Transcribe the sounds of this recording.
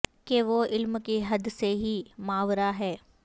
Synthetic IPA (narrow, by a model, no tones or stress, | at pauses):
keʋoɪlmkiɦɐd̪seɦimaːʋɾaɦɛː